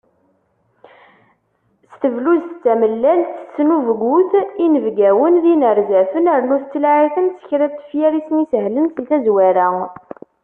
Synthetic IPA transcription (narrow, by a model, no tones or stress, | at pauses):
st̪əvluzt͡s̪ːæməlːælθə̥sːnuvɡuθinəvɡæwənðinəɾzæfənəɾnuθt͡sːəlʕiθənt͡sːə̥çɾæt̪ːə̥fjæɾisnisɦlənθiθæzwæɾæ